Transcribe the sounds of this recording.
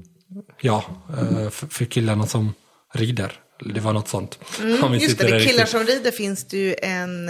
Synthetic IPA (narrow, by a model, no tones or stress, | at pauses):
jɑː | ffœɾkʰɪlːaɳasɔm | ɾiːd̪ə̰ɾ | d̪ɛvaɳɔt̪ːsɔnt̪ɔmvɪjsɪt̪ːəɾɪllːaʂɔmɾiːd̪əɾfɪnsd̪̥ɪʔɛn